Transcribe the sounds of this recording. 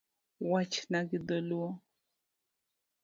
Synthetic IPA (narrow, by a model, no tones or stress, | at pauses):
wat͡ʃnaɡid̪oluɔ